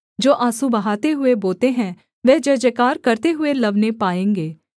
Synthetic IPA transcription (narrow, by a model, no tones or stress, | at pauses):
d͡ʒoːʔaːsũbəɦaːt̪eɦʊeboːt̪eɦɛ̃ː | ʋɛːd͡ʒɛd͡ʒəkaːɾkəɾt̪eɦʊeləʋnepaːẽːŋɡeː